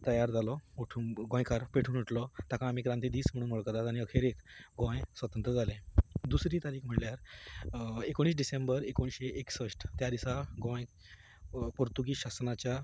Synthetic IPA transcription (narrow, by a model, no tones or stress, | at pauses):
t̪əjaɾd͡zalɔuʈʰuɡõjkaɾpeʈʰuːnuʈlɔt̪akʰãam̤ikɾant̪id̪iːsm̤iɽ̃uːnmoɭkəɾt̪at̪aɽ̃iəkʰeɾekɡõjsʋət̪ənt̪ɾəd͡zalẽd̪usɾiːt̪aɾiːkm̤əʈljaɾ | ekoɽ̃iːs̬ɖisembəɾekoɽ̃ɕeʔeksəʂʈt̪jad̪isaɡõj | poɾt̪uɡiːɕasnat͡ɕja